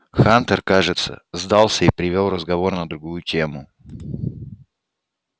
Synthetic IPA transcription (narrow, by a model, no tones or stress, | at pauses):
xant̪ərkaʐɨt̪sə̰zd̪alˠsʲəipɾʲɪvʲolˠrəzɡɐvo̞rnəd̪ɾʊɡujʊtʲemʊ